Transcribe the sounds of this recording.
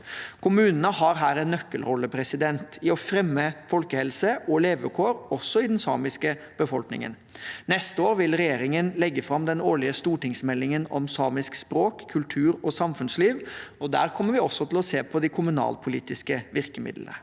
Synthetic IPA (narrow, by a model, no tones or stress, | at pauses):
kʰʊmʉːnənəhɑɾɦæːɾɛnnœkːəlɾɔlːəpʰɾɛsɪd̪ɛnt̪ʰɪɔfɾɛmːəfɔlkəhɛlsəʔɔleːʋəkʰoːɾɔsːɔɪd̪ɛnsɑ̰ːmɪskə | b̥əfɔlknɪ̰ŋə̰n | nɛst̪əoːɾʋɪlɾɛjeːɾɪŋənlɛɡːəfɾɑmd̪ɛnoːɭɪəst̪uːʈɪŋsmɛlːɪŋənɔmsɑːmɪskspɾoːkʰːʉlt̪ʰʉːɾɔsɑmfʉnsliːʋɔd̪æ̰ːɾkʰɔmːəɾʋɪɔsːɔt̪ʰɪlɔseːpʰɔd̪ɪkʰʊmʉnɑ̰ːlpʰʊliːt̪ɪskəʋɪɾkəmɪ̰d̪lə̰nə̰